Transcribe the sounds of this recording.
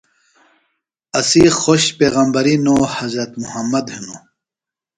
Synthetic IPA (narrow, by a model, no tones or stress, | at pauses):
ɐsixoɕpeːɣɐmbɐɾinoːhɐzɾɐt̪muhɐmːɐd̪henoː